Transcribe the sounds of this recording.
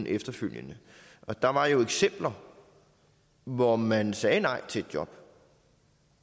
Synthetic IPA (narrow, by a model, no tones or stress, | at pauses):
n̩ʔefd̥ɐføl̰jənə | ʔɒ̽d̥ɑ̈ʋɑ̈jo̝eɡ̥sem̰b̥lɐ | ʋɒmænsɛːnɑ̈ɪ̰t͡sʰe̝d̥̚djɒ̽b̥